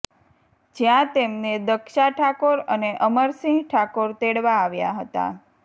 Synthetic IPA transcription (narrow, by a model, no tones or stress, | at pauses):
d͡ʒjãt̪emned̪əkʃaʈʰakoɾəneʔəməɾsĩŋɡʈʰakoɾt̪eɽʋaːʋja̰ɦət̪a̰